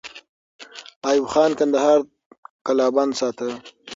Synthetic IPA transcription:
ɑːjuwxɑːnkand̪ahɑːɾ | kalɑːbɑnsɑːt̪ə

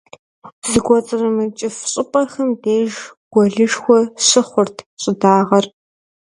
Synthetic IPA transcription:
z̥ɨɡʷɔt͡sʼɨrɐmɨrt͡ʃʼɪfɕʼɪpʼɐrxɐmdeːʒɡ̥ʷɔɮɨʂxʷɔɕɪχʷʊrtʰɕʼɪdaːʁɐr

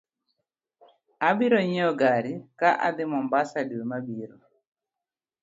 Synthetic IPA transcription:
abiɾɔɲɛɔɡaɾikaʔa̰d̪ɪmɔmbasaɗiwɛmabiɾɔ

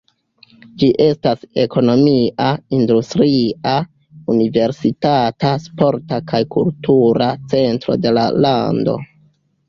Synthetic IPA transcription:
d͡ʒiʔe̞stase̞ko̞no̞miʔaindustɾiʔa | unive̞ɾsitataspo̞ɾtakajkultuɾat͡se̞ntɾo̰de̞la̰la̰ndo̞̰

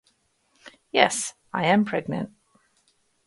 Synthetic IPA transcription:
jɛs | aɪɨ̃mpʰɹ̥ɛɡ̚nɨ̰̃nt

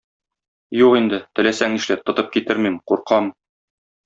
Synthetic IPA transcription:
juqind̪ɘt̪ɘ̆læsæŋiʃlæt̪ːŏt̪ɤp̚kit̪ɘɾmimquɾqɑm

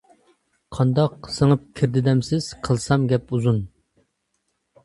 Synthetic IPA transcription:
qʰɑnd̪ɑqsəŋəp̚kʲʰɪɾd̪ɪd̪ɛmsɪz̥qʰəlˠsɑmɡʲɛpuzun

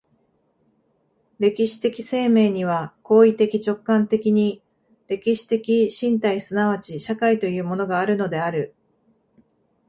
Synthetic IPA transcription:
ɾe̞kʲiɕi̥t̪e̞kʲi̥se̞ːme̞ːɲ̟iβ̞ako̞ːit̪e̞kʲit͡ɕo̞kːãnt̪e̞kʲiɲ̟i | ɾe̞kʲiɕi̥t̪e̞kʲiɕĩnt̪aisɨnaβ̞at͡ɕiɕakait̪o̞jɯ̟ːmo̞no̞ɡaːɾɯ̟no̞d̪e̞aɾɯ̟

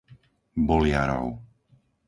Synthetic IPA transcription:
bɔlɪaɾɔ̰ʊ

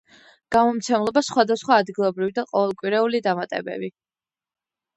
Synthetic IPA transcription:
ɡ̥amɔmt̪sʰɛmlˠɔbasχwad̪asχwaːd̪ɡilˠɔbɾivid̪aqʼɔvɛlˠkʼwiɾɛulid̪amat̪ʼɛ̰bɛ̰bi

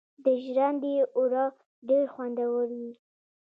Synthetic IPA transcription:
d̪əʒɾand̪eʊɾɑ | ɖeɾxwand̪awəɽwi

